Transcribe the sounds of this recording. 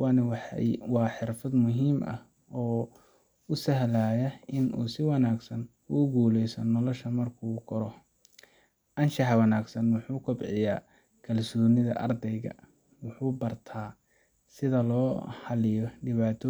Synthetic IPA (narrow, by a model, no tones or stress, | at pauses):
wɑːnɐwħwɑːħɪrfɐd̪mʊɦiːmʔɐ̰h | ɔː | ʊsɐɦlaːjɐɪnʔṵːsɪwɑnaːɡsɐn | uːɡuːlɛjsɐnɔlɔʃɐmɐrkʰuːkʰɔɾɔ | ʔɐnʃɑħwɑnaːɡsɐnwʊħuːkʰʊbʕɪja̰ː | kʰɐlsɔːnɪðɐ̰ʔɐrd̪ɛjɣɐ̰ | wʊħuːbɐrt̪ʰaː | sɪðɐlɔːhɐlɪjɔɖɪβaːt̪ʰɔ